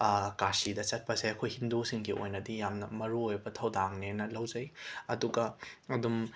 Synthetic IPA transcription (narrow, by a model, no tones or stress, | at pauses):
kasidɐt͡ʃɐt̚pɐzajɐkʰojhindusiŋɡiʔo̰jnɐdijamnɐmɐɾuojbɐtʰɐwdaŋnenɐlɐwzɐjɐduɡɐɐdum